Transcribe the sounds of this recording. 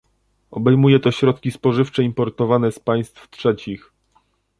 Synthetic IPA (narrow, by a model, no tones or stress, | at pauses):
ɔbɛjmujɛt̪ɔɕɾɔt̪kʲispɔʐɘft͡ʂɛimpɔɾt̪ɔvanɛspaj̃st̪ftʂɛt͡ɕix